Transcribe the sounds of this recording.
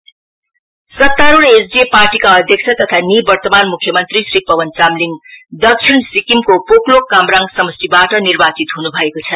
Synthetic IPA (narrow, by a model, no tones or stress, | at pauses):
sʌt̪ːaɾoɾesd͡zeparʈikaʌd̪ʱjʌk̚t͡sʰʌt̪ʌt̪ʰanibʌrt̪ʌmanmukʰjʌmʌnt̪risɾipʌwʌnt͡samliŋd̪ʌk̚t͡sʰinsikimkopoklokːamraŋɡsʌmʌsibaʈʌnirbat͡sit̪ɦunubʱʌekot͡sʰʌ